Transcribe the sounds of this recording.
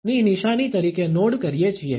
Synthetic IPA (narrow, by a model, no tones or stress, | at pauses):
niniʃañit̪əɾikenoɽkəɾijet͡ʃʰie